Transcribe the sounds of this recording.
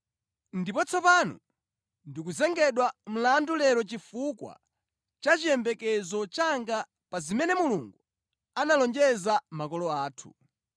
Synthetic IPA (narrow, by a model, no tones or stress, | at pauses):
ndipɔt͡sʰɔpanɔ̰ | ndikuzɛŋɡɛɗwam̩landulɛɾɔt͡ʃifukwa̰ | t͡ʃat͡ʃijɛmbɛkɛzɔt͡ʃaŋɡa | pazimɛnɛmuluŋɡu | analɔnd͡ʒɛzamakɔlɔaːtʰu̥̰